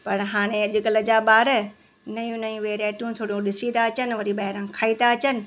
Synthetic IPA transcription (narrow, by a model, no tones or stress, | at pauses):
pɐɾɦaːɽ̃ẽɐʄʊɡɐləd͡ʑaːɓaːɾə | nɐjũnɐĩʋeːɾeːʈjũt̪ʰoːɽijũɗɪsit̪aɐt͡ɕənʋɐɾiɓɐɦɪɾãːkʰaːit̪aɐt͡ɕənɪ̆